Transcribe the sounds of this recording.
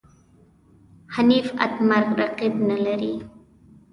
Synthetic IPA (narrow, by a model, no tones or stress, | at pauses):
hanifa̰t̪maɾqɾaqibnəlaɾi